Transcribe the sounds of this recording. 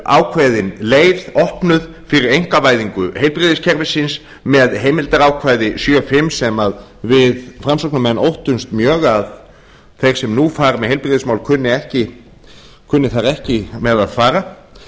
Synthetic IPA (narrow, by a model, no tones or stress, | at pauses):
a̰ːwkʰvaːjðɪnleːjvðɔhpnʏð | fɪɾɪɾejŋ̥kavaːjðiŋkʏhejlpɾiðɪscʰɛɾvɪsɪns | mɛðɦeːjmɪlt̪aɾaːwkʰvajðɪsjœfɪmsɛmaðvɪðfɾamsɔknamɛnːʔowht̪ʏnst̪mjœːɣað | θejɾ̥sɛmnufaːɾmɛðhejlpɾiðɪsmawlkʰʏnːɪɛhcɪ | kʰʏnːɪθaɾɛhcɪmɛðaðfaːɾa